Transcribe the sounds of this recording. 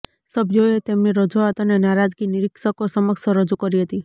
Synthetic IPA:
səbd͡ʒoet̪emniɾəd͡ʒoat̪anenaɾad͡ʒɡiniɾikʃəkosəməkʃəɾəd͡ʒukəɾiɦət̪i

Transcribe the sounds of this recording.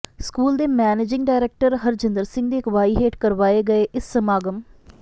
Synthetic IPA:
skuːld̪eːmɛːneːd͡ʒɪ̃ŋɡɖaːɪɾeːk̚ʈəɾɦəɾd͡ʒɪnd̪əɾsɪ̃ŋɡd̪eːɪkʋaːiɦeːʈkəɾʋaːeːɡəeːʔɪsːəmaːɡəm

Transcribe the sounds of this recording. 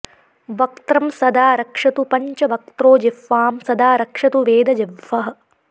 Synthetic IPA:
ʋɐk̚t̪ɾɐmsɐd̪aːɾɐkʂɐt̪upɐɲt͡ʃɐʋɐk̚t̪ɾoːd͡ʒifːaːmsɐd̪aːɾɐkʂɐt̪uʋeːd̪ɐd͡ʒeʋːɐɦɐ̆

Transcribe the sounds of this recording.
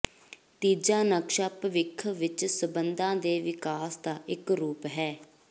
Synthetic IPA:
t̪iːd͡ʒãːnəkʃaːpʋɪkʰːʋɪt͡ʃsəbənd̪ãːd̪eːʋɪkaːsd̪aːɪkɾuːpɦɛː

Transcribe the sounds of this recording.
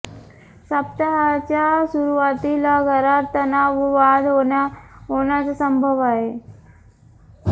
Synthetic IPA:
səpt̪aɦat͡ɕjasuɾuʋat̪ilaɡʱəɾat̪ːənaʋəʋad̪oaɦoɳjat͡sasəmbʱəʋaɦe

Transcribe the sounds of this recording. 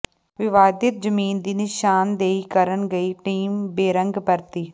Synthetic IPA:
ʋɪʋaːd̪ɪt̪d͡ʒəmiːnd̪iːnɪʃaːnd̪eːiːkəɾənɡəiːʈiːmbeːɾə̃ŋɡbəɾt̪iː

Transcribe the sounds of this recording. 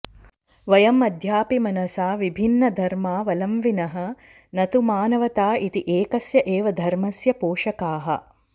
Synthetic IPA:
ʋɐjɐmɐd̪ʱjaːpimɐnɐsaːʋibʱinːɐd̪ʱɐɾmaːʋɐlɐmʋinɐɦɐ̆ | nɐt̪umaːnɐʋɐt̪aːʔit̪iʔeːkɐsjɐʔeːʋɐd̪ʱɐɾmɐsjɐpoːʂɐkaːɦɐ̰̆

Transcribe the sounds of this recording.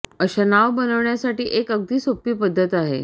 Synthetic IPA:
əɕanaʋbənəʋɳjasaʈiːʔekəɡ̚d̪ʱiːsopiːpəd̪ʱːət̪aɦḛ

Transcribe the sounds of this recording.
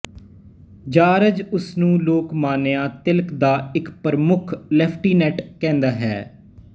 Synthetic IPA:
d͡ʒaːɾəd͡ʒʊsnũːloːkmaːnejaːt̪ɪlkd̪aːɪkpəɾmʊkʰlɛːpʰʈiːnɛːʈkɛ̃ːnd̪aːɦɛ̰ː

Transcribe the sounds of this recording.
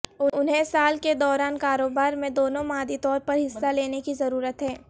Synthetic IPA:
ʊʊnɦẽsaːlked̪ɔːɾaːnkaːɾoːbaːɾmẽd̪oːnõmaːd̪it̪ɔːɾpɐɾɦɪsːaleːnekizɐɾuːɾət̪ɦɛː

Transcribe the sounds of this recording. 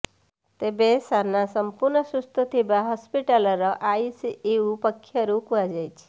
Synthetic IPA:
t̪ebesanːasəmpuɾɳəsust̪ət̪ʰibaɦɔspiʈaləɾəʔaisiʔeupəkʰːjəɾukʋad͡ʑajt͡ɕ

